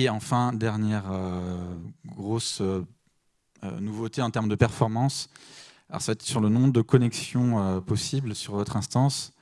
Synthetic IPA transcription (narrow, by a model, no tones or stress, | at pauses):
eɑ̃fɛ̃d̪ɛʁnjɛʁø | ɡɡʁosø | ø̰nuvot̪eɑ̃t̪ɛʁmd̪əpɛʁfɔʁmɑ̃salɔ̰ʁsaɛt̪syʁlənɔ̃d̪əkɔnɛksjɔ̃øpɔsiblsyʁvɔt̪χɛ̃st̪ɑ̃s